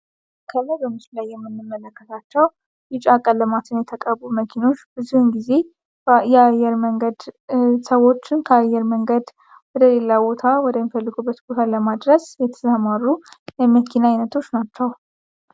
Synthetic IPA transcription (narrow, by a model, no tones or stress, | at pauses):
kʰəlːəbəmɨslulajːɛmːɨnːɨmːələkːət̪ʰat͡ʃːɛw | jɪt͡ʃʼakʼəlːəmat̪ʰɨnjɛt̪ʰəkʼəbuməkʰino̞t͡ʃːb̥ɨzuhɨnɡize̞ | jɛajɛɾməŋɡəd̪səwo̞t͡ʃːɪnkʰəajːɛɾməŋɡəd̪ | wɔd̪əle̞labo̞t̪ʰawɔd̪əmifəlːɨɡubːət̪but̪ʰaləmad̪ɾəsjɛt̪ʰəzamaɾujɛməkʰinajnət̪ʰo̞t͡ʃːnat͡ʃːɛw